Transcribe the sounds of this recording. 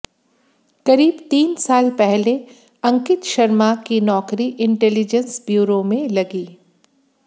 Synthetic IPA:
kɐɾiːbt̪iːnsaːlpɛɦle | ɐ̃ŋkɪt̪ʃɐɾmakinɔːkɾiʔɪ̃ɳʈɛːlɪd͡ʒə̃nsbjuːɾomẽlɐɡiː

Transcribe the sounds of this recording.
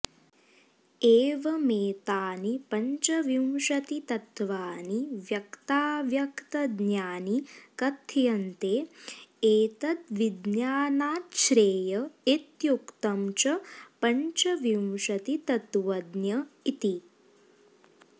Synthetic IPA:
eːʋɐmeːt̪aːnipɐɲt͡ʃɐʋjiwʃɐt̪it̪ɐt̪ʋaːniʋjɐkt̪aːʋjɐkt̪ɐd̪njaːnikɐt̪ʰːjɐnt̪eːeːt̪ɐt̪ʋid̪njaːnaːt̪ʃɾeːjɐit̪jukt̪ɐmt͡ʃɐpɐɲt͡ʃɐʋjiwʃɐt̪it̪ɐt̪ʋɐd̪njɐit̪i

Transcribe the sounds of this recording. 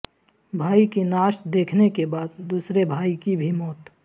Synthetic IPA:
bʱaːikinaːʃd̪eːkʰnekebaːd̪d̪uːsɾebʱaːikibʱimɔːt̪

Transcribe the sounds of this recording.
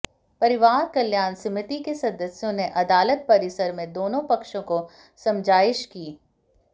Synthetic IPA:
pɐɾɪʋaːɾkɐljaːnsɪmɪt̪ikesɐd̪əsjõneʔɐd̪aːlət̪̚pɐɾɪsəɾmẽd̪oːnõpɐkʃõko | sɐ̃md͡ʒaːɪʃkiː

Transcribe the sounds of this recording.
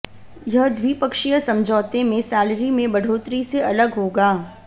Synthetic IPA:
jɐɦd̪ʱwipəkʃijəsɐ̃md͡ʒʱɔːt̪emẽsaːlɾimẽbɐɖ̤ʱoːt̪ɾiseʔɐləɡɦoːɡaː

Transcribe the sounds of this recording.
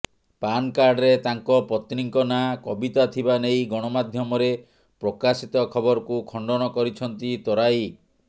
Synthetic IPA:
pankaɾɖɾet̪aŋkɔpɔt̪ɾiŋkɔnakɔbit̪at̪ʰibanejɡɔɽ̃ɔmad̪ʱjɔmɔɾe | pɾɔkasit̪ɔkʰɔbɔɾɔkukʰɔɳɖɔñɔkɔɾit͡ʃʰɔnt̪it̪ɔɾaj

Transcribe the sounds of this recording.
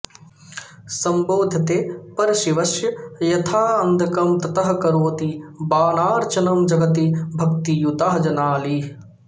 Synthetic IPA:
sɐmboːd̪ʱɐt̪eːpɐɾʃiʋɐʃjɐjɐt̪ʰaːɐnd̪ʱɐkɐmt̪ɐt̪ɐɦɐ̆kɐɾoːt̪ibaːnaːɾt͡ʃɐnɐmd͡ʒɐɡɐt̪ibʱɐk̚t̪ijut̪aːɦɐd͡ʒɐnaːli

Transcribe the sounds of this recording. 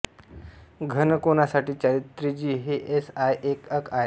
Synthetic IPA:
ɡʱənkonasaʈiːt͡ɕaɾit̪ːɾid͡ʑiːɦeʔesajʔekəkaɦe

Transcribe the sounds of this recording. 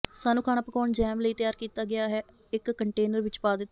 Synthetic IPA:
saːnũːkʰaːñaːpəkɔːɳd͡ʒɛːmləiːt̪ɪjaːɾkiːt̪aːɡɪaːɦɛː | ɪkːəɳʈeːnəɾʋɪt͡ʃpaːd̪ɪt̪ːa

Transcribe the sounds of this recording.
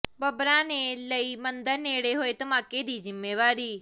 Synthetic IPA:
bəbɾãːneːləiːmənd̪əɾneːɽeːɦoːeːt̪əmaːkeːd̪iːzɪmːeːʋaːɾiː

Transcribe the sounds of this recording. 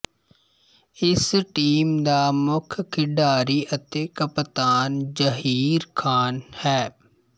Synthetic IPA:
ɪsʈiːmd̪aːmʊkʰkʰɪɖaːɾiʔət̪eːkəpt̪aːnd͡ʒəɦiːɾkʰaːnhɛː

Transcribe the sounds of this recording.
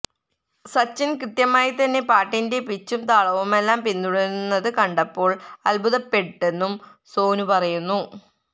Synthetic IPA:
sɐt͡ɕːinkrɨt̪jɐmaːjit̪ɐnːe̞paːʈːinde̞pit͡ɕːumt̪aːɭɐʋume̞lːaːmpinːuɽɐɾnːɐðɨkɐɳɖɐpːo̞ːɭɐlbuðɐpːe̞ʈːe̞nːumso̞ːnupɐrɐjunːu

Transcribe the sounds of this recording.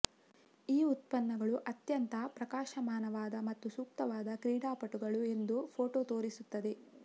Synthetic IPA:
iːut̪pɐnːɐɡɐɭuʔɐt̪jɐnt̪ɐpɾɐkaːʃɐmaːnɐʋaːd̪ɐmɐt̪ːusuːk̚t̪ɐʋaːd̪ɐkɾiːɽaːpɐʈuɡɐɭue̞nd̪upʰoːʈoːt̪o̞ːɾisut̪ːɐd̪e̞

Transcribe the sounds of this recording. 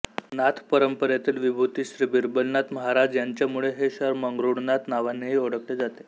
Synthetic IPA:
nat̪ʰpəɾəmpəɾjat̪iːlʋibʱut̪iːɕɾiːbiɾbəlnat̪məɦaɾad͡ʑjaɲt͡ɕjamuɭeɦeɕəɾməŋɡɾuɽnat̪naʋanːeɦiːoɽəkled͡zat̪e̥

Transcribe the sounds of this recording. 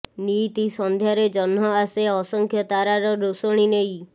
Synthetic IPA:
nit̪isɔnd̪ʱjaɾed͡ʒɔnːɔaseɔsɔŋkʰjɔt̪aɾaɾɔɾusɔɽ̃inej

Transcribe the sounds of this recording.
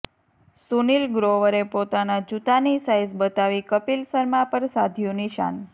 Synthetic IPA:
sunilɡɾoʋəɾepot̪anad͡ʒut̪anisajzbət̪aʋikəpilsəɾmãpəɾsad̪ʱjũnɪʃa̰n

